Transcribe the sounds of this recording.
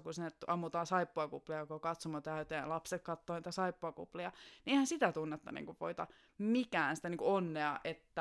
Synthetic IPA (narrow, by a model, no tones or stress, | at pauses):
kusinːet̪ɑmːut̪ɑːsɑipːoɑkupliɑjokokɑt̪somot̪æyt̪eːjɑ̰lɑpsekkɑt̪ːoːniːt̪æsɑipːoɑkṵpliɑniʔeihænsit̪æt̪unːet̪ːɑ̰nḭŋkuʋo̰it̪ɑ̰ | mikæːnsi̥t̪æniːŋkuonːeɑʔet̪ːæ